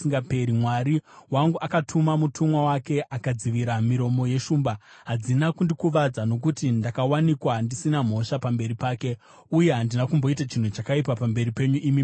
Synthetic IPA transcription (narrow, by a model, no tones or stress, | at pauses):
iŋɡapeɾimwaɾiwaŋɡuʔakatʰumamutʰumwawake̞ʔakad͡ziʋiɾamiɾo̞mo̞je̞ʃuːmba | ɦad͡zinakundikuʋad͡zano̞k̬utindakawanikwaɦandisinam̤o̞ʃapambe̞ɾipaːke̞ | uje̞ɦandinakumbo̞itat͡ʃin̤ut͡ʃakaip̬apambe̞ɾipe̞ɲuʔimi